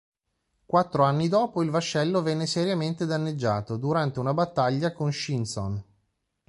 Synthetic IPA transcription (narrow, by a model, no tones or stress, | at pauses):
kwat̪ːɾoanːid̪ɔːpoilvaʃːɛlːovɛnːeseɾjament̪ed̪anːed͡ʒːaːt̪od̪uɾant̪eunabat̪ːaʎːakonʃinso̰n